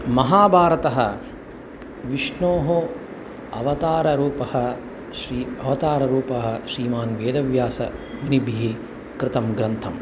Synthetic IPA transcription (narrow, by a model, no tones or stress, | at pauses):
mɐɦaːbʱaːɾɐt̪ɐɦɐ̰ | ʋiʂɳoːɦo | ɐ̰ʋɐt̪aːɾɐɾuːpɐhɐ̆ | ʃɾiɐʋɐt̪aːɾɐɾuːpɐɦɐ̆ʃɾiːmaːnʋeːd̪ɐʋjaːsɐ̰ʋɐnibʱiɦi | kɾɪt̪ɐmɡɾɐnt̪ʰɐm